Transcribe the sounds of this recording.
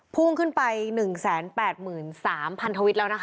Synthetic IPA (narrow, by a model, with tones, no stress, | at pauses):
pʰu˥˩ŋkʰɯ˥˩npa˧jnɯ˨˩ŋsɛː˩˦npɛː˨˩t̪̚mɯː˨˩nsaː˩˦mpʰa˧nt̪ʰa˧wi˦˥t̪̚lɛː˦˥wna˦˥k